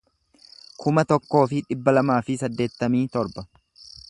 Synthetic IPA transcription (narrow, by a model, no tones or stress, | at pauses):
kʰʊmɐt̪ɔkːo̞ːfɪᶑɪbːɐlɐmaːfɪsɐd̪ːe̞ːt̪ːɐmiːt̪ɔɾbɐ